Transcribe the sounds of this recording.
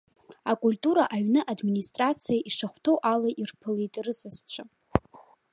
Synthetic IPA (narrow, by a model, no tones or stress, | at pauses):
akʷʼulʲtʼuɾaʔaɥnɨʔadministʼrat͡sʰijaʔiʂaχʷtʰowʔalaʔirpʰɨlitʼrɨsɨst͡ɕʷʰa